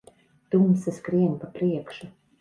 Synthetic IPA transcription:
t̪umsaskɾiɛnʲpapɾiɛkʃu

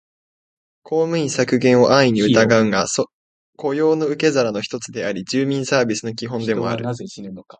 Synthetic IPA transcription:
kʰo̞ːmɯ̟ɲĩsakɯ̟ɡẽ̞ɰ̃o̞ʔaiɲ̟iɯ̟t̪aɡaɯ̟ŋas | ko̞jo̞ːno̞ɯ̟ke̞zaɾano̞çi̥t̪o̞t͡sɨd̪e̞aɾʲid͡ʑɨːmʲĩɰ̃saːbʲisɨno̞kʲiɦõ̞nd̪e̞mo̞̰a̰ɾɯ̟

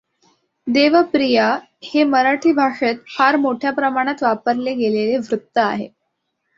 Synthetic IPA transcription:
d̪eʋəpɾija | heməɾaʈʰiːbʱaʂet̪̚haɾmoʈʰjapɾəmaɽ̃at̪ʋapəɾleɡeleleʋɾut̪ːəa̰ɦḛ

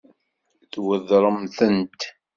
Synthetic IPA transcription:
θwəðɾˤəmθənt̪

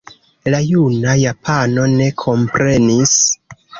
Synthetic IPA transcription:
lajunajapʰano̞ne̞kʰo̞mpɾe̞nis

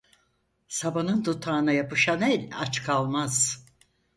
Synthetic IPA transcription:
sabanɯnd̪ut̪ʰaːnajapɯʃanɛlʲat͡ʃkʰalˠmaz̥

